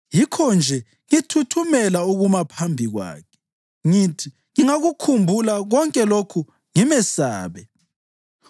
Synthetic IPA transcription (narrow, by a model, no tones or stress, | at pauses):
jikʰɔnd͡ʒʱɛ | ŋitʰutʰumɛlauɣumapʰambʱiɣwa̰ːkʰɛ̥ | ŋitʰi | ŋiŋaɣukʰumbʱulaɣɔŋkʼɛlokʰu | ŋimɛsaːβɛ